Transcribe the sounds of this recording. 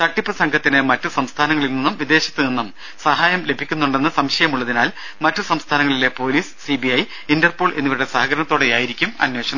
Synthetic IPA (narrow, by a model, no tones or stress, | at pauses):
t̪ɐʈːiprɐsɐŋɡʰʱɐt̪ːinɨmɐtːɨsɐmst̪ʰaːnɐŋːɐɭilninːumʋid̪e̞ːɕɐt̪ːɨninːum | sɐɦaːjɐmle̞bʱikʲːunːuɳɖenːɐsɐmɕɐjɐmuɭːɐðinaːl | mɐtːɨsɐmst̪ʰaːnɐŋːɐɭile̞po̞ːliːssibiɐj | indɐrpo̞ːɭʔe̞nːiʋiɽe̞sɐɦɐɡɐɾɐnɐt̪ːoːɽejaːjiɾikʲːumɐ̰nwe̞ːɕɐɳɐ